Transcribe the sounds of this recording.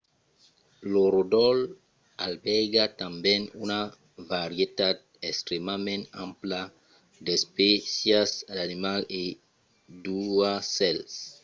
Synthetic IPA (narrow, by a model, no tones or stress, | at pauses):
loɾodɔl | albɛɡat̪ambjẽnuna | vaɾjet̪ad̪̚ | ekst̪ɾemamẽntã̰mpla | d̪espesjasdanimale | duasɛls